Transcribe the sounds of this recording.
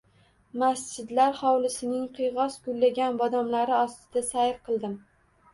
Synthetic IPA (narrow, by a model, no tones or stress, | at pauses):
masd͡ʒɪd̪laɾhɒwlɪsɪnɪŋqʰɨjʁɒsɡʊlːaɡʲanbɒd̪amlaɾɪɒst̪ɪd̪̥asajɾqʰɨlˠd̪ɪm